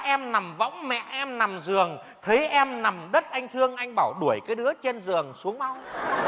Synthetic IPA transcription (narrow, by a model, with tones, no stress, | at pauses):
ʔɛ˧mna˨˩mvɔ̰˧˥wŋ͡mmɛ̰˧˨ʔɛ˧mna˨˩mzɨ˨˩əŋ | t̪ʰe˨˦ʔɛ˧mna˨˩mɗə˦˥t̚ʔa˧jŋ̟t̪ʰɨ˧əŋʔa˧jŋ̟ɓaː˧˩wɗu˧˩əjkaː˨˦jɗɨ˨˦ət͡ɕe˧nzɨ˨˩əŋsu˨˦əŋma˧w